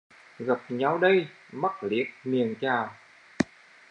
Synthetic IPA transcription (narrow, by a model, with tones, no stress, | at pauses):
ɣə˨˩p̚ɲa˨˦wɗə˧j | ma˦˥k̚li˨˦ət̚mi˨˩əŋt͡ɕaː˨˩